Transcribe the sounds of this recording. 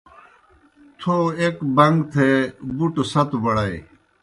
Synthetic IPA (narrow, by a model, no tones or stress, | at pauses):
t̪ʰoekbɐŋɡt̪ʰebuʈsɐt̪bɐɽɐj